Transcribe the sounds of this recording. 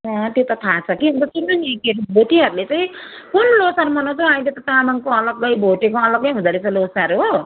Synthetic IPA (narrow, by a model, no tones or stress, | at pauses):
ʌt̪jot̪ʌt̪ʰat͡sʰʌkiɦʌ̃nt̪ʌsunʌnẽkeɾobʱoʈiɦʌɾulet͡saj̃ | kunlosaɾumʌnãt͡saãj̃let̪ʌt̪amaŋkoʌlʌɡʌjbʱoʈekoʌlʌɡʌjɦũd͡z̪aɾet͡sʌlosaɾuɦo